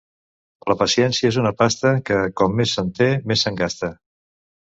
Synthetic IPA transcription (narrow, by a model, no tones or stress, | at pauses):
ləpəsiɛnsiəezunəpast̪əkəkɔmːesːənt̪emesːəŋɡast̪ə